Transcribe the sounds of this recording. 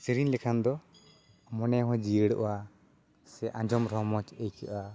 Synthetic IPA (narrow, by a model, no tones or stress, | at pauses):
siɾinlɛkʰand̪ɔ | mɔnɛɦɔ̃d͡ʒijəɽʔʔa | sɛʔãɲd͡ʒɔmɾɔmɔt͡ʃəjkʰiʔa